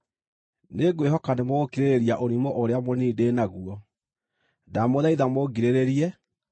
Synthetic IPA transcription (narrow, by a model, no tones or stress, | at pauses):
neɡweɦɔkanemokiɾeɾeɾiaʔoɾimɔʔoɾeamoniːdeːnaɣuɔ | damoðaiðamoɡiɾeɾeɾiɛ